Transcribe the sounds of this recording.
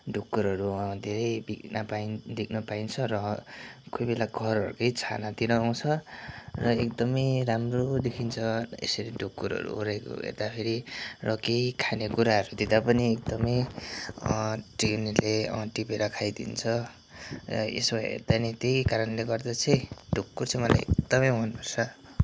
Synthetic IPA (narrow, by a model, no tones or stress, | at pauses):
ɖukːuɾʌɾud̪ʱeɾʌjbiknapaind̪ek̚ʰnʌpaint͡sʰʌrʌkojbelaɡʱʌɾʌɾṵkʌjt͡sʰa̰nat̪iɾʌaw̃t͡sʰʌrʌek̚d̪ʌmʌjɾamrod̪ekʰint͡sʰʌḛsʌɾiɖʱukːuɾʌ̰ɾṵoɾajko̰ɦḛrd̪apʰeɾirʌkejkʰanekuɾaɦʌɾud̪id̪apʌniek̚d̪ʌmʌj | ʈrinleʌ̰̃ʈipeɾʌkʰajd̪ḭnt͡sʰʌ̰ | ḛsoɦḛrd̪anit̪ekaɾʌnleɡʌrd̪at͡sʰʌjɖʱukːurt͡sʰʌmʌla̰jḛkd̪ʌmʌjʌnbʱʌrt͡sʰʌ